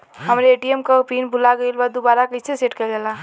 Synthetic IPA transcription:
ɦəmɾeeʈiemkapinbʱulaɡəilbad̪obaɾakəsʰeseʈkelɡela

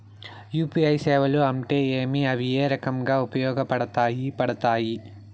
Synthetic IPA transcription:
juːpiɐjsɛːʋɐluɐmʈeːeːmiɐʋijeːɾɐkɐmɡaːupɐjɔːɡɐpɐɽɐt̪aːjipɐɽɐt̪aːji

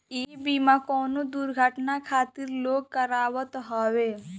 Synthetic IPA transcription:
iːbimakɔːnod̪uɾɡʱəʈnakʰaːt̪iɾloːɡ̚kəɾaːwət̪ɦɔːʋe

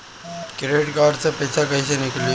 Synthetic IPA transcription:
kɪɾeːʈkaːɖsepɐːt͡ʃakɐisenɪkli

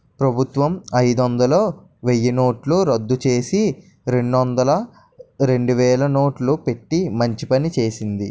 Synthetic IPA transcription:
pɾɐbʱut̪ʋɐmɐjd̪ond̪ɐlo̞ː | ʋejːɐnoːʈluɾɐd̪ːut͡ʃe̞ːsi | ɾe̞ɳɖond̪ɐlɐ | ɾe̞ɳɖuʋɛːlɐnoːʈlupe̞ʈːimɐɲt͡ʃipɐnit͡ʃe̞ːsind̪i

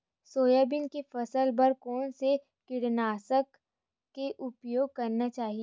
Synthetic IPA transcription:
soːjabɪnkefɐsəlbɐɾkɔːnse | kɪɽnaːsəkː | eʔʊpjoːɡ̚kɐɾnat͡ʃaːɦie

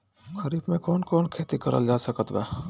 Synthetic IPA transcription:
ɡəɾiːbmẽkɔːnkɔːnkʰeːt̪ikɐɾə̰ld͡ʒaːsəkət̪ʋɛ̰ː

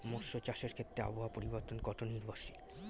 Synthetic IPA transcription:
moʃːot͡ɕaʃeɾkʰet̪ːɾea̰boɦapoɾiboɾt̪onɡɔʈʰoniɾbʱoʃi

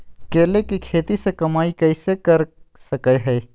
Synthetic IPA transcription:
keːlekikʰeːt̪isekɐmaːikɐɪsekəɾsəkəɦɛː

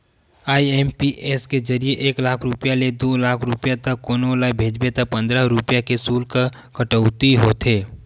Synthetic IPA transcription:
aːiɛːmpiʔeskezɐɾijeʔeːklaːkʰɾʊpjaled̪oːlaːkʰɾʊpjat̪ɐkːoːnolabʱeːd͡ʒbet̪apə̃nd̪ɾaɾʊpjakesuːlka | kəʈəʊt̪iɦoːt̪ʰeː

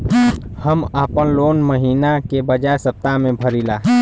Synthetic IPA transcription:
həmaːpənloːnməɦiːnakebəd͡ʒajsəp̚t̪amẽbʱəɾilaː

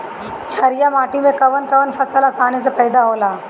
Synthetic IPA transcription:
t͡ʃʰɐɾjamaːʈimẽkɐʋənkɐʋənfʰɐsəlɐsaːnes̬epɐjd̪aɦoːlaː

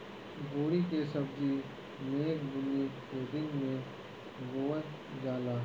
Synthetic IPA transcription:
bʱuːɾikesəbd͡ʒi | neːkbʊnːikoːd̪ɪ̃ŋɡmẽ | boːn | d͡ʒaːlaː

